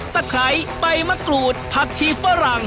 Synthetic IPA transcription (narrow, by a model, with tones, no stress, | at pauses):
t̪a˧˩kʰa˨˦jpa˧jma˧˥kɾuː˨˩t̪̚pʰa˧˩k̚t͡ɕʰiː˧˩pːa˧˥ɾa˨˩ŋ